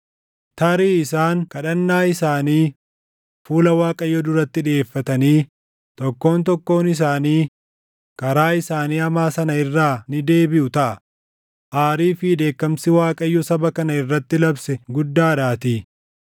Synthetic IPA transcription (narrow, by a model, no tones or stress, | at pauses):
t̪ɐɾiːɪsaːŋkɐᶑɐnːaːɪsaːniː | fuːlɐwaːkʼɐjːɔd̪ʊɾɐt̪ːɪᶑeːfːɐt̪ɐniː | t̪ɔkːo̞ːnt̪ɔkːo̞ːnɪs̬aːniː | kɐɾaːɪsaːniːɐmaːsɐnɐɪrːaːnɪd̪e̞ːbɪʔʊt̪ɐʔɐ | ʔaːɾiːfɪd̪e̞ːkːɐmsɪwaːkʼɐjːɔsɐbɐkɐnɐɪrːɐt̪ːɪlɐbsɛɡʊd̪ːaːd̪aːt̪iː